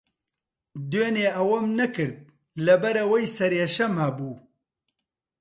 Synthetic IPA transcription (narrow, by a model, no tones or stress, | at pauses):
d̪weːneːʔɐwɐmnɐkɨɾd̪̚ | lɐbɐɾɐwɐjsɐɾeːʃɐmhɐbuː